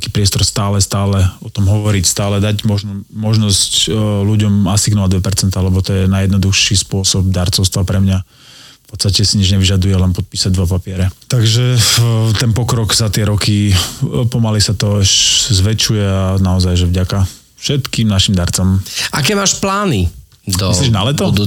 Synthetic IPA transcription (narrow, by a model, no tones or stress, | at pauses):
kiːpɾɪɛst̪ɔɾst̪aːlɛst̪aːlɛɔt̪ɔmɦɔʋɔɾicst̪aːlɛd̪aɟmɔʒnɔmɔʒnɔscluɟɔmasiɡnɔad̪ʋɛpɛɾt͡sɛnt̪aːlɛbɔt̪ɔjɛnajɛd̪nɔd̪uxʃiːspʊɔsɔb̚d̪aɾt͡sɔʊst̪ʋapɾɛmɲa | pɔt̪st̪acɛsiɲid͡ʒɲɛʋiʒad̪ujɛlɛnpɔt̪̚piːsaɟ̚d̪ʋapapɪɛɾɛt̪aɡʒɛt̪ɛnpɔkɾɔɡzat̪ɪɛɾɔki | pɔmalisat̪ɔɛʃzʋɛt͡ʃujɛaanaɔzajʒɛvɟaka | fʃɛt̪kiːmnaʃimd̪aɾt͡samakɛːʋaːʃplaːni | iliʒnalɛt̪ɔd̪